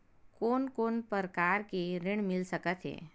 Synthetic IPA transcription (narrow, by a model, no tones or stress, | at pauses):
koːnkoːnpəɾkaːɾkiɾɪɽ̃mɪlsɐkət̪ɦɛ̰ː